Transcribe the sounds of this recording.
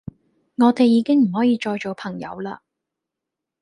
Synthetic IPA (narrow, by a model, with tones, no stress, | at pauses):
ŋɔː˨˧t̪e˨jːiː˨˧kɪ˥ŋm̩˨˩ɦɔː˨˥jiː˨˧t͡ʃɔː˧jt͡ʃo˨wpʰɐ˨˩ŋjɐ̰˨˧wla̰ː˧